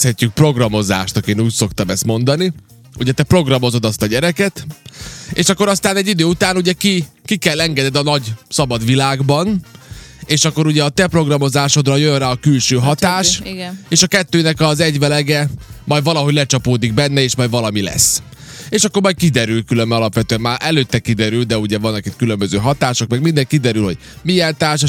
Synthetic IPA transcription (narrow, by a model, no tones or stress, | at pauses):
hɛcːyk̚pro̞ɡrɒmo̞za̰ːʃt̪ɒkeːnuːcso̞kt̪ɒmɛst̪mo̞nd̪ɒni | uɟɛt̪ɛpro̞ɡrɒmo̞zo̞d̪ɒst̪ɒɟɛɾɛkɛt̪ | eːʃɒkːo̞ɾɒst̪aːnɛɟːid̪øːut̪aːnuɟɛki | kikɛlːɛŋɡɛd̪ɛd̪ɒnɒɟsɒbɒd̪ʋilaːɡbɒn | eːʃɒkːo̞ɾuɟɛɒt̪ɛpro̞ɡrɒmo̞zaːʃo̞d̪rɒjønraːɒkylʃøːɦɒt̪aːʃeːʃɒkɛt̪ːøːnɛkɒzɛɟʋɛlɛɡɛmɒjd̪vɒlɒɦoɟlɛt͡ʃɒpoːd̪iɡ̚bɛnːɛeːʃmɒjd̪vɒlɒmilɛ̰sː | eːʃɒkːo̞ɾmɒj̚kid̪ɛɾylkylømbɛɒlɒpʋɛt̪øɛmmaːʔɛløːt̪ːɛkid̪ɛɾyld̪ɛuɟɛvɒnːɛkit̪kylømbøzøːɦɒt̪aːʃo̞kmɛɡmind̪ɛŋkid̪ɛɾylho̞ɟ̥ | miɛnt̪aːrʃ